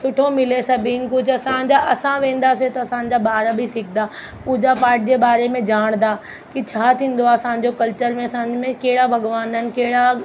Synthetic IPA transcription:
sʊʈʰomɪlesɐbʱinkʊd͡ʑʰʱɐsãːɲd͡ʑaɐsãʋẽːn̆d̪aset̪ɐɐsãːɲd͡ʑabaːɾabʱisɪkʰd̪aː | puːd͡ʑapaːɾʈ̚d͡ʑebaːɾemẽd͡ʑaːɽ̃d̪a | kit͡ɕʰaːt̪ʰĩːn̆d̪oaːsãːɲ̆d͡ʑokɐlt͡ɕəɾmẽɐsãːɲd͡ʑmẽkeːɽabʱɐɡʋaːnənɪ̆keːɽa

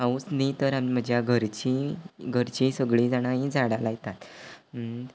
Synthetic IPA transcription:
aut͡snit̪əɾamim̤əd͡ʑjaɡʱəɾt͡ɕiɡʱəɾt͡ɕisəɡɭiːd͡zaɽ̃aid͡zaɽalajt̪at̪

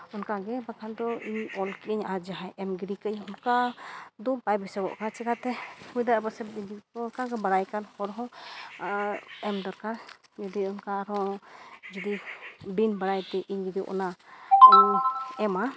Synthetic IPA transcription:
ɔnkaɡɛbakʰand̪ɔiɲɔlkiəɲad͡ʒaɦajʔɛmɡiɾikəjɔnkad̪ɔbajbɛsɛbɔ̰ʔkat͡ʃɛkat̪ɛhujd̪abasɛbiɲd͡ʒiɔːnkaɡɛbaɽajkanhɔɾɦɔ̃ | ɛmd̪ɔɾkaɾ | d͡ʒud̪iɔnkaɾɔ̃ | d͡ʒud̪ibinbaɽajt̪ɛʔiɲɡid̪iʔɔ̰naɔɛma

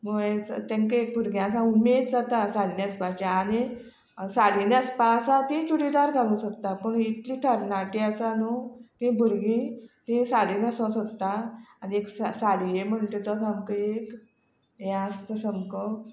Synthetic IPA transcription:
məet̪ẽŋkəek̚bʱuɾɡĩasãumed̪d͡zat̪asaɽ̤iniəspãt͡ɕaːni | saɽinəspãsat̪ĩt͡ɕuɽid̪aɾɡʱaɾũsəkt̪apəɳit̪liʈʰəɾnaʈiasanot̪ĩbʱuɾɡĩt̪ĩsaɽinəsɔ̃səkt̪ːaanieksasaɽijem̤əɳt̪et̪ɔsamkəek | jaəst̪əsəmkɔ

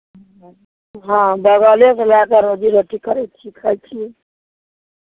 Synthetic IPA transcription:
ɦãbəɡaleslakaɾod͡ʒiɾoʈikəɾɛt͡ʃʰikʰəjt͡ʃʰi

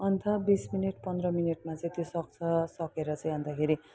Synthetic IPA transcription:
ʌnt̪ʰʌbismineʈpʌnd̪rʌmineʈmat͡sʌĩt̪josʌk̚t͡sʰʌsʌkeɾʌt͡sʌĩɦʌnd̪akʰeɾi

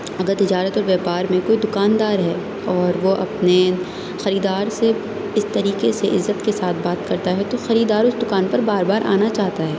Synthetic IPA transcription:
ɐɡəɾt̪ɪd͡ʒaːɾət̪ɔːɾʋɛːpaːɾmẽkoːid̪ʊkaːnd̪aːɾɦɛː | ɔːɾʋoʔɐ̰pne | xɐɾiːd̪aːɾse | ɪst̪ɐɾiːkeseʔɪzːət̪kesaːt̪̚ʰbaːt̪kɐɾt̪aɦɛt̪oxɐɾiːd̪aːɾʊsd̪ʊkaːnpɐɾbaːɾbaːɾʔa̰ːnat͡ʃaːɦt̪aɦɛː

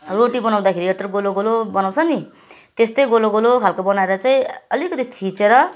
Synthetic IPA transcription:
roʈibʌnaw̃d̪akʰeɾieʈʌrɡoloɡolobʌnaw̃t͡sʰʌni | t̪est̪ʌjɡoloɡolokʰalkobʌnaeɾʌt͡saĩʌlikʌt̪it̪ʰit͡seɾʌ

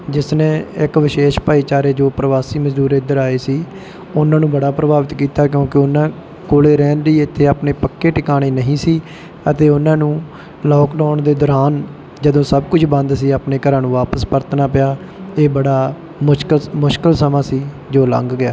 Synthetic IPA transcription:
d͡ʒɪsnẽːɪkʋɪʃeːʃpaːiːt͡ʃaːɾeːd͡ʒoːpɾəʋaːsiːməd͡ʒd̪uːɾɪd̪əɾaːeːsiː | ʊnãːnũːbəɽaːpɾəbaːʋɪt̪kiːt̪aːk̬jõːkeʊnːãː | koːleːɾɛːnd̪iːɪt̪ʰːeːaːpneːpəkːeːʈɪkaːɽ̃eːnəɦĩːsiː | ət̪eːʊnãːnũː | lɔːkɖaːɳd̪eːd̪ɔɾaːn | d͡ʒəd̪õːsəbkʊt͡ʃʰbə̃nd̪siːaːpneːkəɾãːnũːʋaːpəspəɾt̪ʰnaːpɪjaː | eːbəɽaː | mʊkəlmʊʃkəlsəmãːsiː | d͡ʒoːlə̰̃ŋɡɡɪjaː

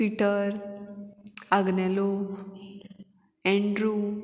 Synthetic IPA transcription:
piʈəɾ | aɡnɛlo | ẽɳɖɾu

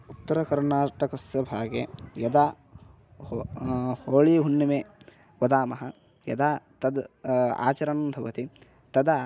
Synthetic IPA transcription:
ut̪ːɐɾɐkɐɾnaːʈɐkɐsjɐbʱaːɡjejɐd̪aː | hoːɭiɦunːimeː | ʋɐd̪aːmɐɦɐ | jɐ̰d̪aːt̪ɐd̪a̰ːt͡ʃɐɾɐnɐmd̪ʱɐʋɐt̪i | t̪ɐd̪aː

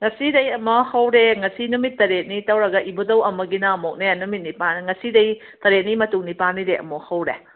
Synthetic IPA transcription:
ŋɐsidɐjɐmɐhɐwɾeŋɐsinumitːɐɾet̚nitɐwɾɐɡɐʔibodɐwɐmɐɡinaɐmok̚nenumit̚nipanŋɐsidɐj | tɐɾet̚nimɐtuŋnipanːiɾeʔɐ̰mohɐwɾe

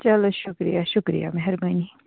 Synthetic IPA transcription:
t͡ʃɐloʃʊkɾḭjaʃʊkɾḭja̰mɛɦɛɾbaːni

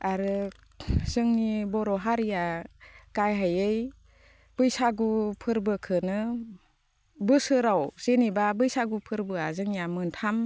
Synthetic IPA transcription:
aɾɯ | zɯŋnibɔɾɔɦaɾijakajɦajɯj | b̥ɯjsaɡupʰɯɾbɯkʰɯnɯ | bɯsɯɾawz̥enibabɯjsaɡupʰɯɾbɯazɯŋjamɯntʰam

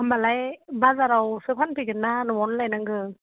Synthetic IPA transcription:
ambalajbazaɾawsɯpʰanpʰiɡɯnːanɯmɔnlajnaŋɡɯ

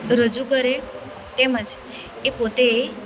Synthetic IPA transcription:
ɾəd͡ʒukəɾe | t̪eməd͡ʒ | epot̪eː

